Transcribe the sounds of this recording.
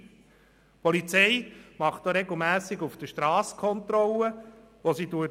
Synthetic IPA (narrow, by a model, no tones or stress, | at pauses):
pɔlit͡sɛɪmɑχtoɾeɡl̩mæːsɪɡufd̥əʃtɾɑːskʰɔntɾɔlə | ʋosituə